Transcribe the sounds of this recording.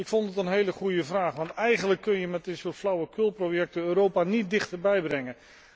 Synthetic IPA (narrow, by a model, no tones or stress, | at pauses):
ɪkfontətənɦejləχujəvraːχʋɑntɛjχənləkːɵnjəmɛt̚dɪsuːɹtflɑwəkølˠprowjɛk̚təøːɾowpaːnit̚dɪχtəɹbɛjbrɛŋə